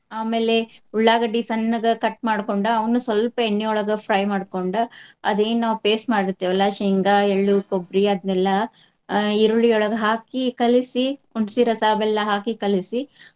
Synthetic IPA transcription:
aːmeːleuɭːaːɡɐɖisɐnːɐɡɐkɐʈ̚maːɽkoɳɖuɐʋɐnːusʋɐlpɐenːɛɔɭɐɡɐpʰɾɐjmaːɽkoɳɖuɐ̰d̪e̞ːnnaːʋupe̞ːsmaːɽiɾt̪ːeʋɐlːaʃiŋɡaeɭːukobɾiɐd̪nɛlːɐ | iɾuɭijɔɭɐɡɐɦaːkikɐlisiuɳsiɾɐsaːbɛlːɐɦaːkikɐlisi

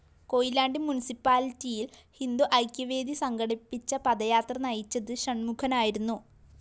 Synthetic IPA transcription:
ko̞jilaːɳɖinmunisipːaːlitːijilhind̪uʔɐjkʲjɐʋe̞ːd̪isɐŋɡɐɽipːit͡ɕːɐpɐðɐjaːt̪rɐnɐjit͡ɕːɐðɨɕɐɳmukʰɐnaːjiɾunːu

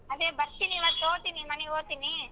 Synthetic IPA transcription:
ɐðeːbɐt̪ːiniʋat̪oːt̪inimɐnioːt̪inːi

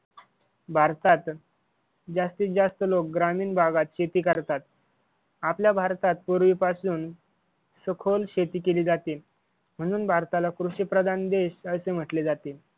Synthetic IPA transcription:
bʱaɾt̪at̪ | d͡zast̪iːd͡zast̪əlok̚ɡɾamiːnbʱaɡat̪ɕet̪iːkəɾt̪at̪ | apljabʱaɾt̪at̪̚puɾʋiːpasuːn | səkʰolɕet̪iːkeliːd͡zat̪iː | m̤əɽ̃uːnbʱaɾt̪alakɾuɕipɾəd̪ʱand̪eɕəsem̤əʈled͡zat̪eː

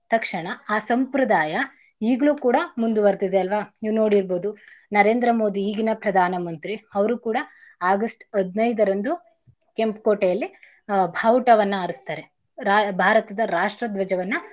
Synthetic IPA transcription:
t̪ɐkʂɐɳɐaːsɐmpɾɐd̪aːjɐ | iːɡɐɭuːkuːɽɐmund̪uʋɐɾt̪id̪eɐlʋaːiːʋno̞ːɽiɾboːd̪unɐɾe̞ːnd̪ɾɐmo̞ːd̪iːɡinɐpɾɐd̪ʱaːnɐmɐnt̪ɾiɐʋɐɾukuːɽɐaːɡɐsʈɐd̪nɐjd̪ɐɾɐnd̪u | kempkoːʈejɐlːi | bʱaːʋuʈɐʋɐnːuɐɾust̪aːɾe | ɾbʱaːɾɐt̪ɐd̪ɐɾaːʂʈɾɐd̪ʋɐd͡ʒɐʋɐnːu

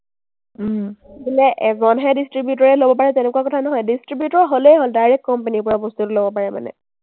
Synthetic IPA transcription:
bilɛʔɛzɔnɦɛdistɹibjutɔɹɛlobɔpaɹɛtɛnɛkuakɔtʰanɔɦɔjdistɹibjutɔɹɦoljɦoldajɹɛk̚kɔmpenipɔɹabostutʊlobɔpaɹɛma̰nɛ̰

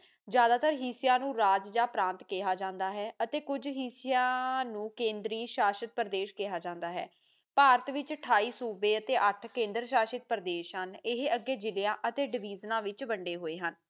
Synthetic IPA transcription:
d͡ʒjaːd̪aːt̪əɾɦiːsɪjãːnũːɾaːd͡ʒd͡ʒaːpɾãːnt̪keɦaːd͡ʒãːnd̪aːɦɛːʔət̪eːkʊd͡ʒɦiːsɪjãːnũːkẽːnd̪ɾiːʃaːʃət̪̚pəɾd̪eːʃkɪɦaːd͡ʒãːnd̪aːɦɛ̰ː | paːɾət̪ʋɪt͡ʃʈʰaːiːsuːbeːət̪eːʔəʈʰkẽːnd̪əɾʃaːʃət̪̚pəɾd̪eːʃɦənɪɦəɡːeːd͡ʒɪlɪjãːʔət̪eːɖɪʋiːznãːʋɪt͡ʃbəɳɖeːɦoːeːɦən

